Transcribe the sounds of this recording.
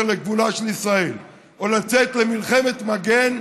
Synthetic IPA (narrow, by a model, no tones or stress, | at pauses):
leɡvulaʃelisʁael | olat͡set̪lemilχemet̪maɡen